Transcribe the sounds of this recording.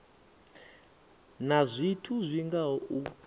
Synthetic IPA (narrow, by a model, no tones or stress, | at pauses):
nazʷitʰuzʷiŋɡaɔu